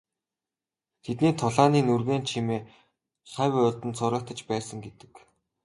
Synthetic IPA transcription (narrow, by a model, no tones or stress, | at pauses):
t̪ʰet̪niːt̪ʰʊɮaːniːnurɣeːnt͡ɕʰimeː | χaːwʊɮt̪ɘ̆nt͡sʊɾə̆kt̪ə̆t͡ɕpæːsə̆ŋɡet̪ɘ̥̆k